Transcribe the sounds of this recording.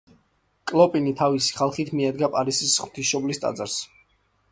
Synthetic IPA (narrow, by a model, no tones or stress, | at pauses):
kʼlˠɔpʼinit̪ʰavisi̥χalˠχit̪ʰmiɛd̪ɡapʼaɾisisχw̥t̪ʰisʃɔblist̪ʼa̰d̪zaɾs